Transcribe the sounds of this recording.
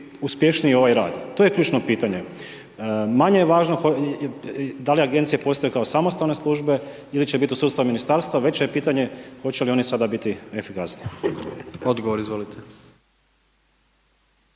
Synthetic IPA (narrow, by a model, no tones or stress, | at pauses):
uspjeʃniio̞ʋajɾaːd̪t̪oːje̞kʎʲuːt͡ʃnopiːt̪aɲe̞ | maɲejeʋaːʒnoxo | d̪aliaɡe̞nt̪sijepo̞ːst̪o̞jekaosamo̞st̪alne̞slˠuːʒbe̞ | ilit͡ɕebit̪iusudt̪st̪aminist̪aːɾst̪ʋaʋe̞t͡ɕejepiːt̪aɲe̞xo̞t͡ɕelio̞nisad̪abit̪iefikasni | od̪ɡoʋoɾizʋolit̪ʰe